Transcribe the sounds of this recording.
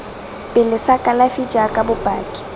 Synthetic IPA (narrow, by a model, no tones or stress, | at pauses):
bʼɪlɪsakʼalafid͡ʒakʼabʊbʱaːkʼɪ̥